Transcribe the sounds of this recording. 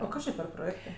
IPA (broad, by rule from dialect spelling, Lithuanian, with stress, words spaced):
oː ˈkɐs t͡ʃʲɪ pʲɛr proːˈjeːktɜ